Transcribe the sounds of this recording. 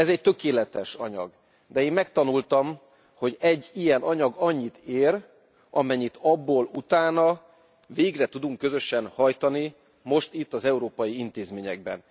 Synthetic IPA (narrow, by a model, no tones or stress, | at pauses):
ɛzɛct̪ø̞keːlɛt̪ɛʃɒɲɒ̰ɡ | d̪ɛeːmmɛk̚t̪ɒnult̪ɒm | ho̞ɟɛɟːijɛnɒɲɒɡɒɲːit̪eːr | ɒmɛɲːit̪ʰɒbːoːlut̪aːnɒ | veːɡrɛt̪ud̪uŋkːøzø̞ʃɛnhɒjt̪ɒni | mo̞ʃt̪it̪ːɒzɛuɾoːpɒjiint̪eːzmeːɲɛ̰ɡ̚bɛ̰n